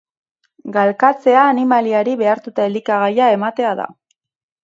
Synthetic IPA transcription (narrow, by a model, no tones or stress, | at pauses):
ɡalkat͡se̞aːnimaliaɾiβe̞aɾt̪ut̪aeld̪ikaɣ̞ajae̞mat̪e̞aða̰